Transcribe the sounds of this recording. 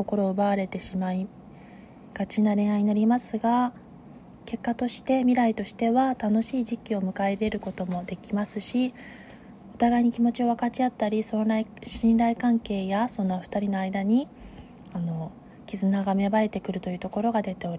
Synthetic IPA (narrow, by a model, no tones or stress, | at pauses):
ko̞ko̞ɾo̞ːɯ̟baβaɾe̞t̪e̞ɕimai | ɡ̥at͡ɕinaɾe̞ɰaiɲ̟inoɾʲimasɨɡa | ke̞kːat̪o̞ɕi̥t̪e̞mʲiɾait̪o̞ɕi̥t̪e̞βat̪ano̞ɕiːʑikʲːio̞mɯ̟kae̞ɾe̞ɾɯ̟ko̞t̪o̞mo̞d̪e̞kʲimasɨɕi | o̞t̪aɡaiɲ̟ikʲimo̞t͡ɕio̞βakat͡ɕiat̪ːaɾʲisoaiɕĩnɾaikãŋke̞ːjaso̞nːoɸɯ̥t̪aɾʲino̞aid̪aɲ̟i | ano̞ | kʲizɨnaɡame̞bae̞t̪e̞kɯ̟ɾɯ̟t̪o̞jɯ̟ːt̪o̞ko̞ɾo̞ɡad̪e̞t̪e̞o̞ɾi